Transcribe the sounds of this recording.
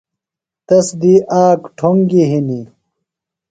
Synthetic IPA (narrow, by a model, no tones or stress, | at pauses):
t̪ɐsd̪iʔaːkʈʰoŋɡiɦini